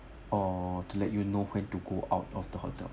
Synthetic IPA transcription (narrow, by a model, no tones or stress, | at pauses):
ɔtulɛt̚junohwɛ̃ntuɡoʔaʊtɔfd̥̪əhɔ̰tə̰l